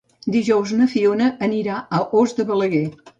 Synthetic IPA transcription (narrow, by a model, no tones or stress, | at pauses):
d̪iʒɔwznəfionəːniɾaəʔozd̪əβələɣɛ